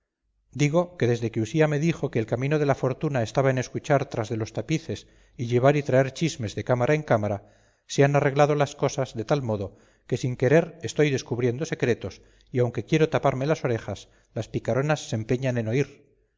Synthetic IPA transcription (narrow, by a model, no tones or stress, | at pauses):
d̪iɣ̞o̞ke̞ðe̞zðe̞keusiame̞ðixo̞ke̞ːlkamĩno̞ð̞e̞lafo̞ɾt̪unae̞st̪aβaene̞skut͡ʃaɾt̪ɾazðe̞lo̞st̪apiθe̞s | iʎe̞β̞aɾit̪ɾae̞ɾt͡ʃizme̞zðe̞kamaɾaeŋkamaɾa | se̞anare̞ɣlað̞o̞lasko̞sazðe̞t̪almo̞ðo̞ | ke̞siŋke̞ɾe̞ɾe̞st̪o̞jðe̞skuβɾje̞nd̪o̞se̞kɾe̞t̪o̞s | iawŋke̞kje̞ɾo̞t̪apaɾme̞laso̞ɾe̞xas | laspikaɾo̞nasːe̞mpe̞ɲane̞no̞iɾ